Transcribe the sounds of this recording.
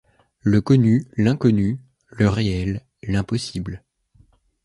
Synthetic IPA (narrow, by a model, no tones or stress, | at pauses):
ləkɔnylɛ̃kɔny | ləʁeɛlː | ɛ̃pɔsibl